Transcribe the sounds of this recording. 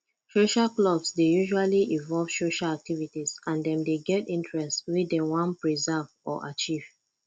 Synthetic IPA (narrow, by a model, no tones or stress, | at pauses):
soʃaklɔbsdejuʒualiʔĩvɔlv̥soʃalak̚tivitizãndɛ̃mdeɡɛtĩntɹɛstwidɛ̃wɔ̃npɹizavɔ̰ʔa̰t͡ʃiv̥